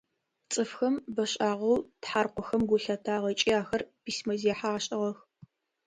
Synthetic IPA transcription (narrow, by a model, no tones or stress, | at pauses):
t͡sʼɨfxɐmbɐɕʼaːʁɐwtħaːrqʷɔxɐmɡʷʊɬɐtʰaːʁɐt͡ʃʼiːaːxɐrpiːsmɐziɛħaaːɕʼɪʁɐx